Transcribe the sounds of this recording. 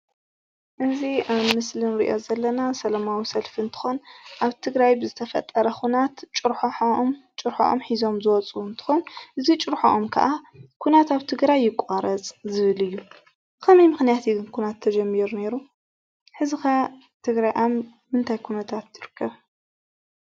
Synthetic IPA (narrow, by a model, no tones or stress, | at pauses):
ʔɨziaβmɨslɨnɾḭʔo̞zɐlːɐnasɐlɐmawisɐlfint̪ʰɨ̥xo̞nʔaβt̪ʰɨɡɾajbɨzɨt̪ʰɐfɐ̰t̪ʼːɐɾɐxunat̪t͡ʃʼɨɾħoħmt͡ʃʼɨɾħo̰ʔo̰mħizo̞mzɨwɔt͡sʼuunt̪ʰɨ̥xonʔɨzit͡ʃʼɨɾħoʔomkʰɐ̰ʔakʰunat̪aβt̪ʰɨɡɾajːɪkʼaɾɐt͡sʼzɨβɨlɨjːu | kʰɐmɐjmɨxnijat̪iɡɨnkʰunat̪ʰːɐd͡ʒɐmːiɾune̞ɾu | ħɨzɨka | t̪ʰɨɡɾajʔamː | ɨnt̪ʰajkʰunɐt̪ʰat̪jɪɾɨkʰːɐβ